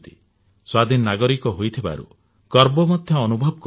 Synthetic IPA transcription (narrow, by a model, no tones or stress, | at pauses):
t̪i | swad̪ʱinɔnaɡɔɾikɔɦojt̪ʰiba̰ɾṵ | kɔɾbɔmɔd̪ʱjɔːnubʱɔbɔk